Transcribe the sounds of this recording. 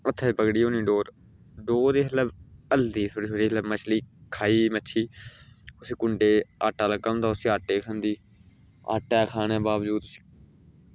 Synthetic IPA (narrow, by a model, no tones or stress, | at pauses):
ət̪ʰːɛːpəɡɽiːoːniːɖoːɾ | ɖoːɾeːɦələbəld̪iːt̪ʰoːɽiːsʰoɽiːləbmət͡ʃʰliːkʰaːiːməːt͡ʃʰiː | ʊsiːkʊɳɖeːa̰ːʈːaːləɡand̪aːsĩːaːʈeːkʰãnd̪iː | a̰ːʈːɛːkʰaːnɛːbaːʋd͡ʒuːd̪si̥ː